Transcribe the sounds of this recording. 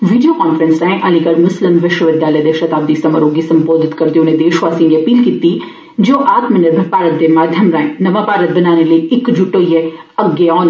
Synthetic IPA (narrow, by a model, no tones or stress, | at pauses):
ʋiːɖijokaːnfɾənsɾaːẽʔɐlikəɾmʊslɪmʋɪʃwəʋɪd̪jaːləjd̪eʃɐt̪aːb̚d̪isɐma̰ːɾoːɡisɐ̃mpoːd̪ʱɪt̪kɐɾt̪eʊnẽd̪eːʃʋaːsĩŋɡeɐpiːlkiːt̪i | d͡ʒoːʔaːt̪mɪnəɾmẽpaːɾət̪̚d̪emaːd̪ʱjɐmɾaːḛ̃nɐʋãpaːɾət̪̚bɐnaːneləiɪkd͡ʒʊʈoːijeɐɡeɔːn